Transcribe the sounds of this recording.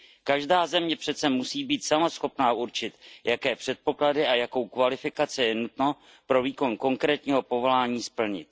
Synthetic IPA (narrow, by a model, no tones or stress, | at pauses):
kaʒdaːzɛmɲɛpr̥ɛt̪sɛmusiːbiːt̪samasxo̞pnaːuɾt͡ʃɪt̪jakɛːpr̝̥ɛt̪̚po̞kladɪʔajako̞wkvalɪfɪkat͡sɪjɛnut̪no̞ | pɾo̞viːko̞nko̞ŋkɾɛːt̪ɲiːɦo̞po̞vo̞laːɲiːspl̩ɲɪ̰t̪̚